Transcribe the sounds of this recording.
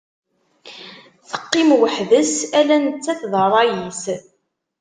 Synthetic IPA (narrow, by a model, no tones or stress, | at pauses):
θə̥qːɪmwəħðəsælænət͡sːæθðˤəɾˤɑjis